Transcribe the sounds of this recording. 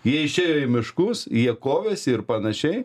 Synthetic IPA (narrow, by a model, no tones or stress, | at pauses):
jiɛɪʃʲeːjoːɪmʲɪʃkʊsjiɛkoːʋʲeːsʲɪɾpɐnɐʃʲɛɪ